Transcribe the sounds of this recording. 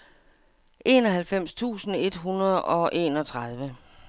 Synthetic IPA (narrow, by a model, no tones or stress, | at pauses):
ʔe̝̰ːnɒ̽ɦælfem̰st͡sʰṵːsn̩e̝d̥ɦunɐð̩ˠɒ̽ʔe̝̰ːnɒ̽t͡sʰʁɑð̞ˠʋə